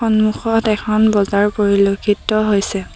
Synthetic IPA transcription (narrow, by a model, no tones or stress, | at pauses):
ɔnmuxɔtɛkʰɔnbɔzaɹpoɹilokʰːitɔɦojsɛ